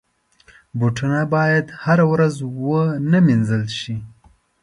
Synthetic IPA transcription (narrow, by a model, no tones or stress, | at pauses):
buʈunabɑjad̪haɾawɾazwənaminzəlʃi